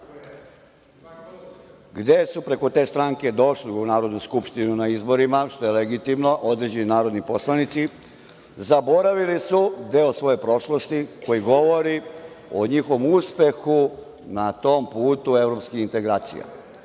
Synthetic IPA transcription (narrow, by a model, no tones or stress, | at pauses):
ɡd̪e̞supɾe̞ko̞t̪e̞ːst̪ɾaŋke̞d̪o̞ʃliunaːɾo̞d̪nuskupʃt̪inunaizbo̞ɾimaʃt̪o̞je̞leɡit̪imno̞ʔo̞d̪ɾe̞d͡ʑeninaːɾo̞d̪nipo̞slˠanit̪si | zabo̞ɾaʋilisud̪eːosʋo̞je̞pɾo̞ʃlo̞st̪iko̞jiɡo̞ʋo̞ɾi | oɲixoʋomuspe̞xu | nat̪o̞ːmpuːt̪ue̞vɾopskixint̪e̞ɡɾaːt̪sḭja̰